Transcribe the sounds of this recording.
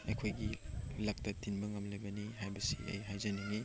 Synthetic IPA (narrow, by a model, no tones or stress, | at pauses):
ɐ̰jkʰojɡilɐk̚tɐtinbɐŋɐmlɐjbɐnihajbɐsḭʔɐ̰jɦajzɐniŋi